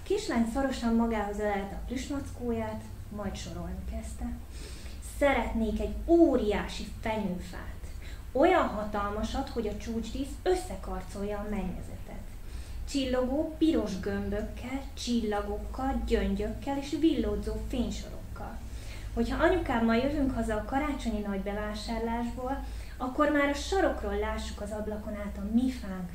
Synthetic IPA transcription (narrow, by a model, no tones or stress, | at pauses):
keːʃlaːnsoɾo̞ʃɒmmɒɡaːɦo̞zɛlɛlt̪ɛɒpliʃmɒt̪skoːjaːt̪ | mɒjt̪ʃo̞ɾo̞lnikɛst̪ɛ | sɛɾɛt̪neːkɛɟoːɾijaːʃifɛɲøːfa̰ːt̪ | o̞jɒnɦɒt̪ɒlmɒʃɒt̪ho̞ɟɒt͡ʃuːt͡ʃriːsø̞sːɛkɒrt̪so̞ljɒːmɛɲːɛ̰zɛ̰t̪ɛ̰t̪ | t͡ʃilːo̞ɡoːpiɾo̞ʒɡømbø̞kʰːɛl | t͡ʃilːɒɡo̞kːɒlɟøɲɟø̞kːɛleːʃvilːoːd̪zoːfeːɲʃo̞̰ɾo̞̰kːɒ̰l | ho̞chɒʔɒɲukaːbmɒjøvyŋkhɒzɒːkɒɾaːt͡ʃo̞ɲinɒɟbɛvaːʃaːrlaːʒboːl | ɒkːo̞rmaːɾɒʃɒɾo̞kroːlːaːʃːukɒzɒblɒko̞naːt̪ɒmifaːŋk